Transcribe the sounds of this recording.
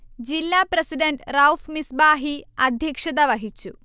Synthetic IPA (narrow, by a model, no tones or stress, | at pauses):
d͡ʑilːaːprɐsiɖɐnɖrɐwfmisbaːɦiɐd̪ʱjɐkʂɐd̪ɐʋɐɦit͡ɕːu